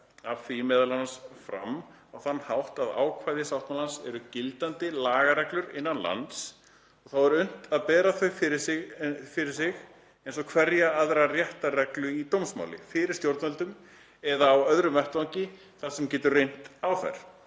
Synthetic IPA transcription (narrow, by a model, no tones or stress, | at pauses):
avfijɪmɛðalanasfɾa̰m | awθanːhawht̪aða̰ːwkʰvajðɪsawht̪mawlansɛ̰ɾʏcɪlt̪ant̪ɪlaːɣaɾɛhklʏɾɪ̰nːanla̰nt̪s | ɔɣθawɛɾʏn̥t̪aðpɛːɾaθœɥfɪɾɪsɪfɪɾɪɾ̥sɪɣ | ejnsɔkʰvɛɾjaaðɾarjɛht̪arɛklʏit̪owmsma̰wlɪ̰fɪɾɪɾ̥st̪jowɾt̪mɛlt̪ʏm | ɛðaːwœðɾʏmvɛht̪aɲcɪ | θḁsɛmcɛːt̪ʏrejn̥t̪awθa̰jɾ̥